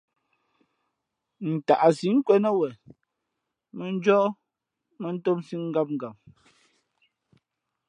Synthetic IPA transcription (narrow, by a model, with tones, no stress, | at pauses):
n̩˨ta˨ʔa˨si˨˦ŋ̩˦kwɛ˦nə˦wɛ˨ | me˨n̩˦d͡ʒɔ˦ | mə˦n̩˦to˦msi˦ŋ̩˦ɡa˦p̚ŋ̩˨ɡa˨m̚